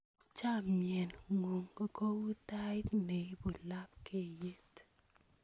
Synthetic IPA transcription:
t͡ʃa˦mɲɛ˨nŋo˨ŋ˨ko˦u˦ta˦ɪ˦t̪ne˨i˦bu˨la˦p̚ke˦˨je˦t

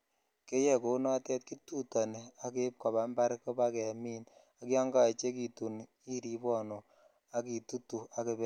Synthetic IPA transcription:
ke˦je˦ko˨˦nɔ˦tɛ˦t̚ki˦tu˦ta˨ne˨a˦ke˦p̚ka˨ba˨˦mba˦ɾko˦ba˦kɛ˨a˨mi˦n | a˨˦kjɔ˦ŋɡa˦˨t͡ʃe˦k̬i˨tu˨n | i˦ɾi˦bɔ˦˨no˨ | a˦ki˨tu˦tu˨a˦ke˧bɛ˦

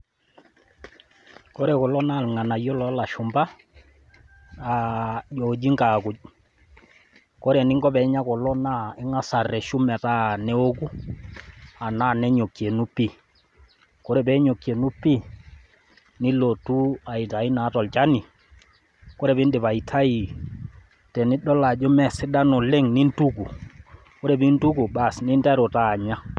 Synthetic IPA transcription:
ko˦ɾe˨kɔ˨lɔ˦na˦˨lŋa˨na˨jɔ˦lɔ˦la˨ʃʊ˨mba˦ | a˨jo˨d͡ʒi˦ŋka˨kʊ˨ɟ̚ | ko˦ɾɛ˨nɪ˦ŋɡɔ˦pɛ˨˦ɲa˦kɔ˨lɔ˦na˦ɪ˦ŋa˨sa˨rɛ˨ʃu˦mɛ˨ta˦nɛ˦o˦ku˦ | a˨na˦˨nɛ˦ɲo˨kːje˨nu˦pːi˦˨ | ko˦ɾɛ˨bɛ˦ɲo˨kje˨nu˦pi˦ | nɪ˦lo˨tu˦a˨i˨ta˨i˦na˨˦tɔ˨lt͡ʃa˦ni˨ | ko˦ɾɛ˨pɪ˦ndɪ˨pa˨i˨tʰa˦i˨ | tɛ˨nɪ˦ɗɔ˦la˨d͡ʒo˦mɛ˦sɪ˦da˦nɔ˨le˦ŋni˦ntu˦ku˨ | ko˦ɾɛ˨bi˦n˦tu˦ku˨ba˦˨snɪ˦ntɛ˦ɾo˨taː˦˨ɲa˦

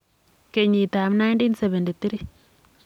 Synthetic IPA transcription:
ke˨ɲi˨t̪a˨mna˦jntinsɛbɛ˨nde˨t̪i˦ɾi˦

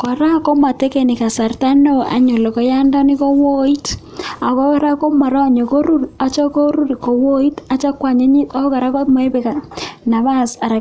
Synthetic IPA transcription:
ko˨ɾa˦ko˦ma˨te˦ke˨ni˨ka˨sa˨rta˦no˦a̰˨ɲo˨lo˨ko˨ja˦ndɔ˦ni˦ko˦wo˦i˦t | a˨ko˦ɾa˦ko˦ma˨ɾɔ˦˨ɲo˨ko˦ɾu˦ra˨t͡ʃɔ˦ko˦ɾu˦ɾi˨ko˨wo˦i˦ta˨t͡ʃa˦kwa˨ɲe˦ɲi˦ta˦ka˨ɾa˦ko˦mo˨e˦βe˨ka˨na˨βa˦sa˨ɾa˨

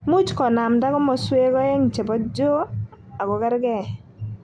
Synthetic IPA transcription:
mu˦t͡ʃkɔ˨na˨mda˦ɡɔ˦mɔ˨swe˦ɡɔ˦e˦ŋt͡ʃe˨bɔ˦td͡ʒo˦ | a˨ɡɔ˨kɛ˦ɾɡɛ˦˨

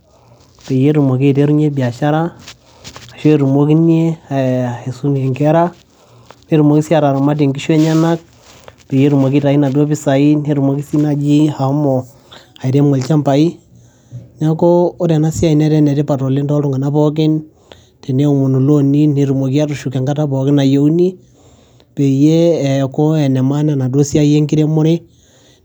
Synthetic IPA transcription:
pe˨je˦ɾu˨mo˨ke˦˨te˦ɾu˦ɲe˦bi˨a˨ʃa˦ɾa˦ | a˨ʃe˦˨ɾu˨mo˦ki˦ni˦e˦a˨e˨su˦ne˨ŋkɛ˦ɾa˦ | ne˦ɾu˨mo˨ki˦si˦a˨ɾa˨ɾa˨ma˦d̬e˨ŋɡi˦ʃwe˦ɲa˦na˦k̚ | pe˨je˦ɾu˨mo˨ki˦ta˨i˦na˨do˦bi˨sa˨i˦ne˦ɾu˨mo˦ki˦si˦na˨d͡ʒi˦ha˨˦mɔ˨ | a˨i˨ɾe˦mo˨lt͡ʃa˦mpa˨i˦ | nɛ˦ko˦o˦ɾɛ˨na˦si˦a˨i˨nɛ˦ɾɛ˦nɛ˨te˦pa˨to˨li˦ndɔ˦ɾʊ˦ŋɡa˨na˦pɔ˦k̬ɪ˦n | tɛ˨ne˦u˨mo˨nu˨lo˦ni˦ne˨ɾu˨mo˨k̬i˦a˦ɾʊ˨ʃu˨kɛ˨ŋɡa˦ta˦bɔ˨kɪ˦na˨jo˨u˦ni˦ | pe˨jeː˦˨ko˦ɛ˨nɛ˨ma˦nɛ˨na˨do˦si˦a˦je˦ŋki˦ɾe˦mʊ˦ɾɪ˦

